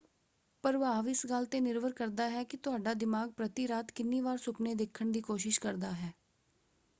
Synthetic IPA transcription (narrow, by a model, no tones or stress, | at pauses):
pəɾʋaːʋɪsɡəlt̪eːnɪɾʋəɾkəɾd̪aːɦɛːkɪt̪ʊɦaːɖaːd̪ɪmaːɡ̚pɾət̪iːɾaːt̪kɪnːiːʋaːɾsʊpneːd̪eːkʰːəɳd̪iːkoːʃɪʃkəɾd̪aːɦɛː